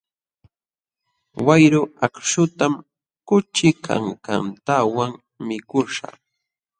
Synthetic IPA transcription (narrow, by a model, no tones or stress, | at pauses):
wajɾʊakʃʊt̪am | kʊt͡ʃɪkʰa̰ŋka̰nt̪awaŋ | mɪkʊʃa̰